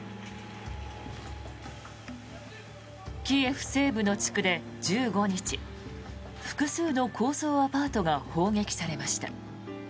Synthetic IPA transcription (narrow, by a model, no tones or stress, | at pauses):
kʲiːe̞ɸɯ̟̥se̞ːbɯ̟no̞t͡ɕi̥kɯ̟d̪e̞ | d͡ʑɨːɡo̞ɲ̟it͡ɕi | ɸɯ̟̥kɯ̟sɨːno̞kʰo̞ːso̞ːapaːt̪o̞ɡaho̞ːɡe̞kʲi̥saɾe̞maɕi̥t̪a̰